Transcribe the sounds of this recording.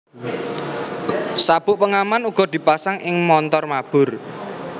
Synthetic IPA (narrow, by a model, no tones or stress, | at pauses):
sab̥ʊ̤ʔpəŋamanuɡ̥ɔ̤d̪̥i̤pasaŋʔɪŋmɔnt̪ɔrmab̥ʊ̤r